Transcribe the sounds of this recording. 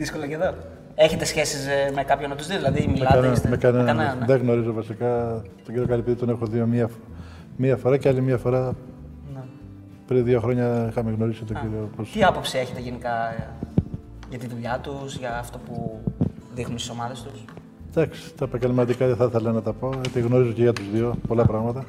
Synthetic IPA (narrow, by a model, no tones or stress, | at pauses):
ðiskolɐɐceðo | e̞çe̞t̪e̞sçe̞sismekɐpçonɐt̪uzðioðilɐðimimɐnesmekɐneɐðeɣno̞ɾizo̞vɐsikɐt̪oɟiɾiokɐlipiðit̪onexoðio̞miɐ | miɐfo̞ɾɐcealimiɐfo̞ɾɐ | n | pɾinðʝo̞xɾo̞ɲɐixɐmeɣno̞ɾisit̪oɟiɾioposiɐpo̞psie̞çet̪eʝenikɐ | ʝɐt̪iðuʎɐt̪usʝɐːft̪opu | ðixnunst̪i̥so̞mɐðe̞st̪us | d̪ɐksi̥t̪ɐepɐɟelmɐt̪ikɐðeθɐθelɐnɐt̪ɐpo̞et̪iɣno̞ɾizoceʝɐt̪uzðio̞po̞lɐpɾɐɣmɐt̪ɐ